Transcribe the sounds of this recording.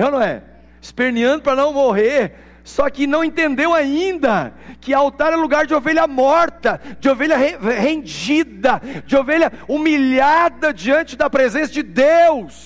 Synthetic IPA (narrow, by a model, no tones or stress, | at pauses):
ewnɐ̃w̃ɛ̰ | ɪspeɾniɐ̃d̪ʊpɾɐnɐ̃w̃moɦeɾ | sɔkɪnɐ̃w̃ẽt̪ẽnd̪ewaĩnd̪ɐkɪawt̪aɾɛluɡaɾd͡ʒɪoveʎɐmɔɾt̪ɐd͡ʒɪoveʎɐɦehẽd͡ʒid̪ɐd͡ʒɪoveʎɐumiʎad̪ɐd͡ʒiɐ̃nt͡ʃɪd̪ɐpɾezẽsɐd͡ʒɪd̪ews